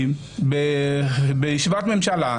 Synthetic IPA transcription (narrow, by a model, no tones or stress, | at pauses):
be | bejiʃivat̪memʃala